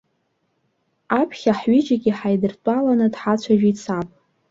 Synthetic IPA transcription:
apʰχʲaħɥɪd͡ʒaɡʲiħajdɨrtʷʼalanɨdħat͡ɕʷʰaʒᶣit͡sʰapʼ

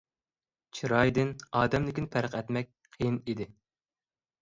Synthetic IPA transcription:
t͡ʃʰiɾɑjd̪ɪnɑːd̪ɛmlɪkʲinɪpʰæɾqʰɛt̪mɛk̚ʲqʰejinid̪ɪ

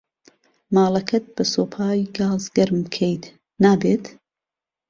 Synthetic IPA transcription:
maːlˠɐkʰɐt̪̚b̥ɐsoːpʰaːjɡaːzɡɐɾmkʰejt̪ʰ | naːbeːt̪

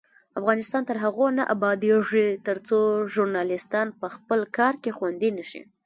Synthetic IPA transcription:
afɣɑnɪst̪ɑnt̪əɾɦaɣonaʔabɑd̪eʐit̪əɾt͡soʒʊɾnɑlɪst̪ɑnpəxpəlkɑɾkexwand̪inəʃḭ

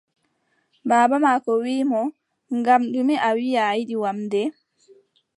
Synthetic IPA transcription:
baːbamaːkɔwiːmɔ | ŋɡamɗumiʔawijajiɗiwamdɛ

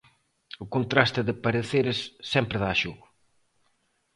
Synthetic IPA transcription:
ʊkont̪ɾast̪ɪðɪpɐɾeθejɾesːɛmpɾɪðaːʃuɣʊ

